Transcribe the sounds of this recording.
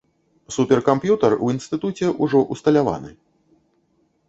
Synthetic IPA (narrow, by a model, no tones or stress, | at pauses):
supʲɛrkampjut̪ɐruinst̪ɨt̪ut͡sʲɛʔuʐɔʔust̪ɐlʲava̰nɨ̰